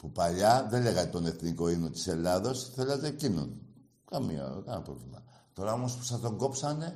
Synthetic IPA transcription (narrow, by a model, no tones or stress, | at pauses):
pupɐʎɐðele̞ɣɐt̪o̞ne̞θniko̞inot̪i̥se̞lɐðo̞sθelezecinṵn | kɐmḭɐ̰kapɾo̞vlimɐ̰ | t̪o̞ɾɐo̞mo̞spu̥sɐt̪o̞ŋɡo̞psɐne̞